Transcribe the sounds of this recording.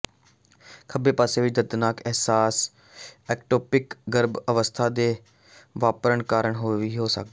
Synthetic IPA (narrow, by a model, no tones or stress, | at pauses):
kʰəbeːpaːseːʋɪt͡ʃd̪əd̪naːkɛɦsaːs | ɛːkʈoːpɪkɡəɾbəʋəst̪ʰaːd̪eː | ʋaːpɾəɳkaːɾəɳɦoːʋiːɦoːsə̰k̚d̪ː